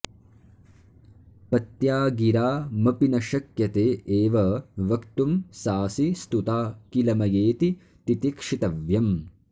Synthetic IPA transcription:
pɐt̪jaːɡiɾaːmɐpinɐʃɐkjɐt̪eːʔeːʋɐʋɐkt̪umsaːsist̪ut̪aːkilɐmɐjeːt̪i | t̪it̪ikʂit̪ɐʋjɐm

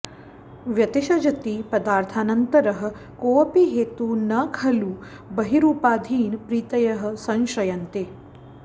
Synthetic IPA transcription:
ʋjɐt̪iʃɐd͡ʒɐt̪iːpɐd̪aːɾt̪ʰaːnɐnt̪ɐɾɐɦɐ̆ | koːɐpiɦeːt̪uːnɐkʰɐluː | bɐɦiɾuːpaːd̪ʱiːnpɾiːt̪ɐjɐɦɐ̆sɐ̃ŋʃɐjɐnt̪e

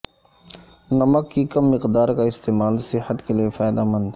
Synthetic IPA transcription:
nɐməkːikɐmːɪqd̪aːɾkaɪst̪eːmaːlsɪhət̪keliefaːjd̪amə̃nd̪

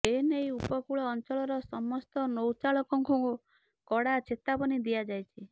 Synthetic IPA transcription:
enejupɔkuɭɔːnt͡ʃɔɭɔɾɔsɔmɔst̪ɔnowt͡ʃaɭɔkɔŋkuŋku | kɔɽat͡ʃʰet̪apɔnid̪ijad͡ʒajt͡ʃʰi

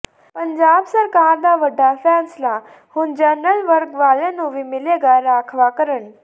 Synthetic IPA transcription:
pəɲd͡ʑabsəɾkaɾd̪aʋəɖafɛnsla | huːnd͡ʑənəlʋəɾkʋalenoʋimileɡaɾakʰʋakəɾəɳ

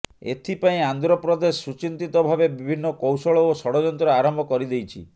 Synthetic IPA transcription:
ḛt̪ʰipaĩand̪ɾɔpɾɔd̪esːut͡ʃint̪it̪ɔbʱabebibʱinːɔkowsɔɭɔosɔɽɔd͡ʒɔnt̪ɾɔaɾɔmbʱɔkɔɾid̪ejt͡ʃʰḭ

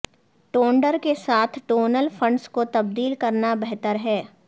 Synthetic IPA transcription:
ʈoːɳɖəɾkesaːt̪ʰʈoːnəlfʰɐ̃ɳɖskot̪ɐb̚d̪iːlkɐɾnabɛɦt̪əɾɦɛː

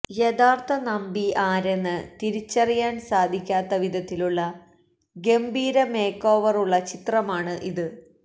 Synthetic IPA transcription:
jed̪aːrt̪ʰɐnɐmbiaːɾe̞nːɨt̪iɾit͡ɕːɐrijaːnsaːd̪ʱikʲːaːt̪ːɐʋid̪ʱɐt̪ːiluɭːɐ | ɡe̞mbiːɾɐme̞ːkːo̞ːʋɐruɭːɐt͡ɕit̪rɐmaːɳɨʔiðɨ

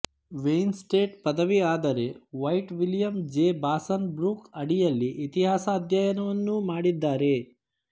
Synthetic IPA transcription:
ʋejnsʈeːʈpɐd̪ɐʋiaːd̪ɐɾe̞ʋɐjʈʋilijɐmd͡ʒeːbaːsɐnbɾuːkɐɽijɐlːiʔit̪iɦaːsɐːd̪ʱjɐjɐnɐʋɐnːumaːɽid̪ːaːɾe̞

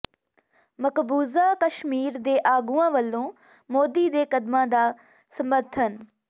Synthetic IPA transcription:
məkbuːzaːkəʃmiːɾd̪eːʔaːɡuːãːʋəlːõː | moːd̪iːd̪eːkəd̪mãːd̪aː | səməɾt̪ʰən

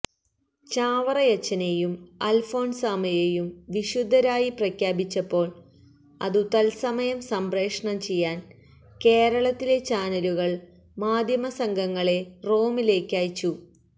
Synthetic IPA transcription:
t͡ɕaːʋɐrɐjɐt͡ɕːɐne̞jumɐlfo̞ːnsamɐjejumʋiɕud̪ʱːɐɾaːjiprɐkʰjaːbit͡ɕːɐpːo̞ːɭ | ɐ̰ðut̪ɐlsɐmɐjɐmsɐmbre̞ːkʂɐɳɐmt͡ɕe̞jːaːn | ke̞ːɾɐɭɐt̪ːile̞t͡ɕaːnɐluɣɐɭ | maːd̪ʱjɐmɐsɐŋɡʱɐŋːɐɭe̞ro̞ːmile̞ːkːaːjt͡ɕːu

